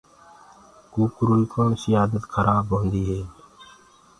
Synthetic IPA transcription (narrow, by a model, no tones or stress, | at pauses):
kuːkɾuːɾikoːnsiaːd̪ət̪kʰəɾaːbɦõːnd̪iːɦeː